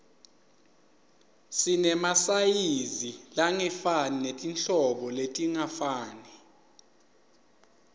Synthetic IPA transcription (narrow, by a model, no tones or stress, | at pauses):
sinɛmasajizilaŋɛfaninetʼinɬɔɓɔletʼiŋafaːni